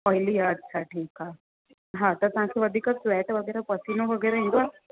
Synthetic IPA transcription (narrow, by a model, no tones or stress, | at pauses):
ɔːjliaːɖ̚t͡ʃʰaʈʰiːkɦa | ɦãːt̪ɐsãːkeʋɐd̪ʱikaswɛːʈʋɐɡɛːɾapɐsinõʋɐɡɛːɾaɦĩnd̪oa